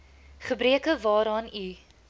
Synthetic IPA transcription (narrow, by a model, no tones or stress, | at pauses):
χəbɾiəkəvɑːɾɑːny